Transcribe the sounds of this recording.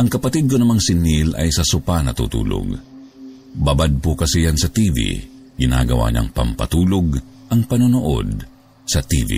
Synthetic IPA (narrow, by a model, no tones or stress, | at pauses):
ʔɐŋkɐpɐt̪id̪̚konɐmaŋsɪnilɐ̰jsɐsʊpanɐt̪ṵːt̪ṵːlo̰ɡ | babad̪̚pʊkɐsijansɐt̪ivḭ | ɡɪna̰ːɡɐwa̰ɲa̰ŋpɐ̰mpɐt̪uːloɡʔɐŋpɐnʊnoʔo̰d̪̚ | sɐt̪ḭvḭ